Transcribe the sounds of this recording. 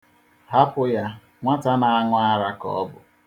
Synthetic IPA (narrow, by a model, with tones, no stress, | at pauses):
ɦa˦pʊ˦ja˦ | ŋʷa˦ta˦na˨a˦ŋʷʊ˦a˦ɾa˦kɔ̰˦ɔ˦bʊ̰˨